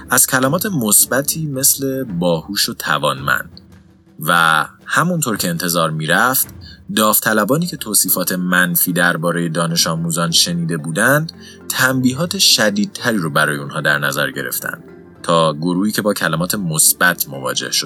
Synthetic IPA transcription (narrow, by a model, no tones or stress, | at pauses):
ʔæz̥cʰælæmɒːt̪ʰe̞mosbæt̪ʰiːme̞sle̞bɒːhuːʃot̪ʰæ̰vɒːnmæ̰nd̪̥̚ | væhæmunt̪ʰoːɾcʰe̞ːnt̪ʰe̞zɒːɾmiːɾæft̪d̪ɒːft̪ʰælæbɒːniːcʰe̞t̪ʰoːsiːfɒːt̪ʰe̞mænfiːd̪æɾbɒːɾe̞je̞d̪ɒːne̞ʃɒːmuzɒnʃe̞niːd̪e̞buːd̪ænd̪̥ | t̪ʰæmbiːɦɒːt̪ʰe̞ʃæd̪iːd̪̚t̪ʰæɾiːɾobæɾɒːjeunhɒːd̪æɾnæzæ̰ɾɟe̞̰ɾe̞̰ft̪ʰæ̰nd̪̥ | t̪ʰɒːɡoɾuːhiːcʰe̞bɒːcʰælæmɒːt̪ʰe̞mosbæt̪ʰmo̞vɒ̰ːd͡ʒḛhʃod̪̥̚